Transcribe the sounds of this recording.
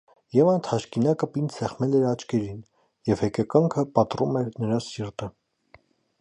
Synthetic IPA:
jɛvɑnt̪ʰhɑʃkinɑkəpinsɛχmɛlɛɾɑt͡ʃkʰɛɾin | jɛvhɛkɛkɑŋkʰəpɑt̪rumɛɾnəɾɑsiɾt̪ə

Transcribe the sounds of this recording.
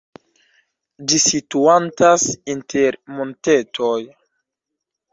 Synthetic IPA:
d͡ʒisituantasintʰeɾmonte̞tʰoj

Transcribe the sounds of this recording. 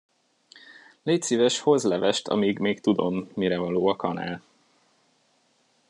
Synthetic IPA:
leːcsiːvɛʃho̞zlɛvɛʃt̪ʰɒ̰miɡmeːkt̪ud̪o̞mːiɾɛvɒloːɒkɒnæ̰ːl

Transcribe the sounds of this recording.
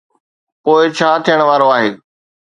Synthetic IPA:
poːɪt͡ɕʰaːt̪ʰijəɽ̃ʋaːɾoaːɦeː

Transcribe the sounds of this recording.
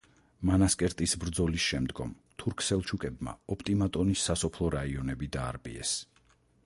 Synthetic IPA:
manaskʼɛɾt̪ʼisbɾd̪zɔlisʃɛmd̪ɡɔm | t̪ʰuɾkʰsɛlˠt͡ʃʰukʼɛbma̰ɔpʰʼt̪ʼimat̪ʼɔnisːasɔpʰlˠɔɾaiɔnɛbid̪aːɾpʼḭɛ̰s

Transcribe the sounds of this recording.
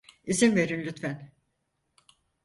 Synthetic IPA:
izinve̞ɾinlʲyt̪fæn

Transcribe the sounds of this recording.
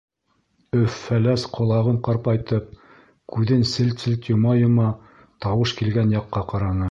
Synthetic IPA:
ɵfːælæsqʰŏlˠɑʁɤɴqɑɾpɑjt̪ɤp̚ | kʉðɘnsɘ̆lt̪sɘ̆lt̪jŏmɑjŏmɑ | t̪ɑwɤʃkilɡænjɑqːɑqɑɾɑnɤ

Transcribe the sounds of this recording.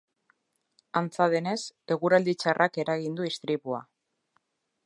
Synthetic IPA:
ant͡saðe̞ne̞se̞ɣuɾald̪it͡ʃarʔake̞ɾaɣind̪uist̪ɾiβua̰

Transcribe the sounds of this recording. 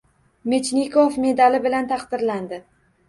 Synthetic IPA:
me̞t͡ʃnikʰɒfme̞d̪alɪbɪlant̪ʰɑqd̪̥ɪɾland̪ɪ

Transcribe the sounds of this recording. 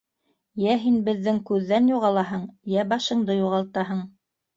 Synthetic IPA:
jæɦinbɘ̆ðːɘŋkʉðːænjuʁɑlˠɑɦɤɴjæbɑʃɤ̆ɴd̪ɤjuʁɑlˠt̪ɑɦɤɴ

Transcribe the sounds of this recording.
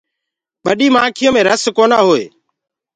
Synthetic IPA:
ɓəɗiːmãːkʰɪjõːmẽːɾəskoːnaːɦoːḛː

